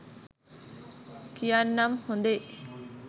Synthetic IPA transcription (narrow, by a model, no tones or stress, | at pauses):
kijanːɐmhond̪e